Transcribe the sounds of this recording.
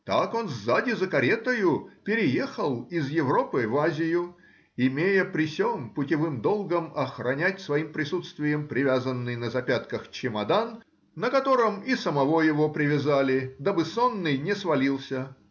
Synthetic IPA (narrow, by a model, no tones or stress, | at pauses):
t̪ako̞nzzadʲɪzəkɐɾʲet̪əjʊpʲɪɾʲɪje̞xəlˠɪzjɪvɾo̞pɨvazʲɪjʊ | ɪmʲejəpɾʲɪsʲonpʊtʲɪvɨmd̪o̞lˠɡəmɐxrɐnʲætʲsvɐimpɾʲɪsut̪st̪vʲɪjəmpɾʲɪvʲazənːɨjnəzɐpʲat̪kəxt͡ɕɪmɐd̪anː | əkɐt̪o̞ɾɨmɪsəmɐvo̞jɪvo̞pɾʲɪvʲɪzalʲɪd̪abɨso̞nːɨjnʲɪsvɐlʲilˠsʲə